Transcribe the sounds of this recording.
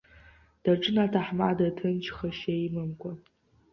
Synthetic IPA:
d̥aʈ͡ʂʼɨnatʰaħma̰ːdɐtʰɨnt͡ʃʰχɐʃejmɨmkʷʰʼa

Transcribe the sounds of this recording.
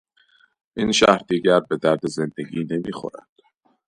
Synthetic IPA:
ʔiːnʃæhɾd̪iːɟæɾbe̞d̪æɾd̪e̞ze̞nd̪e̞ɟiːne̞miːxo̰ɾæ̰nd̪̥

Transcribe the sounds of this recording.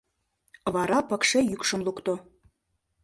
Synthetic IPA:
βɑɾɑpɤ̆kʃejykʃə̆mlukt̪o

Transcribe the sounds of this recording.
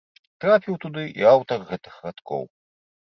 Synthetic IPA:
t̪ɾapʲiwt̪ud̪ɨʔḭawt̪ɐrɣɛt̪ɨxrat̪kɔ̰w

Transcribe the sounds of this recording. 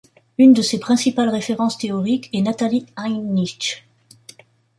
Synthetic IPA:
ynd̪əsepχɛ̃sipalʁefeʁɑ̃st̪eɔʁikɛnat̪aliajniʃ

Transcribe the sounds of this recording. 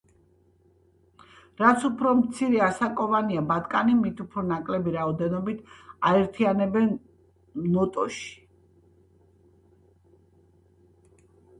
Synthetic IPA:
ɾat̪sʰupʰɾɔmt̪sʰiɾɛasakʼɔvaniabat̪kʼanimit̪ʰupʰɾɔnakʼlɛbiɾaɔd̪ɛnɔbit̪ʰaɛɾt̪ʰianɛbɛnː | ɔt̪ʼɔ̰ʃi̥

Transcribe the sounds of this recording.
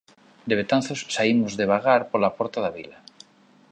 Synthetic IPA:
d̪eβet̪anθossaimozðeβaɣaɾpoɾlapoɾt̪aðaβḭla

